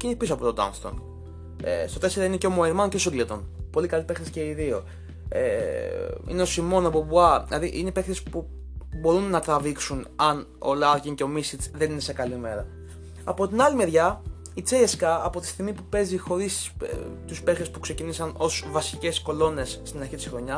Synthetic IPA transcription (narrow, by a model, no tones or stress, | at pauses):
cinipisoɐpot̪od̪ɐ̰nst̪o̰n | ḛst̪o̞t̪e̞se̞ɾoineceomoeɾmɐncesoɡlit̪o̞npo̞likɐlipe̞xt̪esceiðio̞ | ḛ | ḭneo̞simo̞nɐpobuɐlɐðiʔinepext̪espu | bo̞ɾunːɐt̪ɾɐviksunɐn | o̰lɐɾciŋce̞o̞misit͡sðenine̞se̞kɐlime̞ɾɐ | ɐpo̞t̪inɐlime̞ɾʝɐ | it͡seeskɐːpo̞t̪i̥st̪iɣmipupe̞zixo̞ɾist̪uspe̞xɾe̞spukse̞cinisɐno̞svɐsice̞sko̞lo̞ne̞sːt̪inɐɾçit̪isxɾo̞ɲɐ